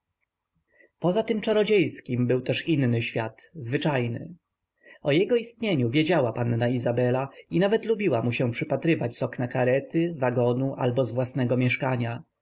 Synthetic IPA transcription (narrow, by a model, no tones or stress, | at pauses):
pɔzat̪ɘmt͡ʂaɾɔd͡ʑejskʲimbɘwt̪ɛʂinːɘɕfʲjat̪zvɘt͡ʂajnɘ̰ | ɔjɛɡɔist̪ɲeɲuvʲjed͡ʑawapanːaizabɛlainavɛt̪lubʲiwamuɕɛ̃pʂɘpat̪ɾɘvat͡ɕsɔknakaɾɛt̪ɘvaɡɔnuʔa̰lbɔzvwasnɛɡɔmʲjɛʂkaɲa